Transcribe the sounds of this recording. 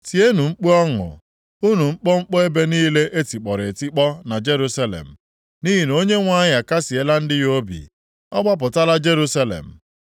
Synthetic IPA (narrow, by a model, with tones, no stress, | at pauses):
ti˨e˦nu˨ŋ͡m̩˦k͡pe˦ɔ˦ŋʊ̰˨ | u˦nu˨ŋ͡m̩˦k͡pɔ˦ŋ͡m̩˦k͡pɔ˦e˦be˦niː˦le˦ʔe˦ti˨k͡pɔ˨ɾe˨e˨ti˦k͡pɔ˦na˨d͡ʒe˦ɾu˦sa˦lḛ˨m̩˨ | ni˦ɦi˨no˦ɲe˦ŋʷa˦ɲa˨ka˦si˨e˦la˦n̩˦dɪ˦jo˦bḭ˨ | ɔ˦ɡ͡ba˦p̬ʊ˨ta˦la˦d͡ʒe˦ɾu˦sa˦lḛ˨m̩˨